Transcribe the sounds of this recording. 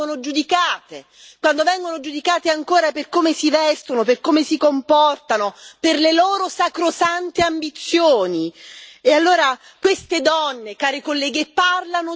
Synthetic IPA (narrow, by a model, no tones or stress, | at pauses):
onod͡ʒud̪ikaːt̪e | kwand̪ovɛŋɡonod͡ʒud̪ikaːt̪eaŋkoːɾaperkoːmesivɛst̪onoperkoːmesikompɔrt̪anoperleloːɾosakɾosant̪eambit̪sːjoːniealːoːɾa | kwest̪ed̪ɔnːekaːɾekolːɛːɡepːarlano